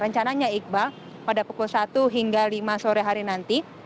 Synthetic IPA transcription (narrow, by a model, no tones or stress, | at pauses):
ɾəɲt͡ʃanaɲaik̚ba | padapukulsat̪uɦiŋɡalimasoɾeɦaɾinant̪i